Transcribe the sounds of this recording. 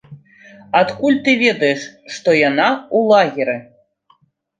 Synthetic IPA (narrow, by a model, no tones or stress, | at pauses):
at̪kulʲt̪ɨvʲed̪ɐjʂːt̪ojanɑulˠɑɣʲiɾʲɘ